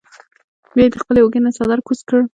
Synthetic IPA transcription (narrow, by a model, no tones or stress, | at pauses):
wɑjd̪əxpəleoɡenasɑd̪aɾkuskəɽ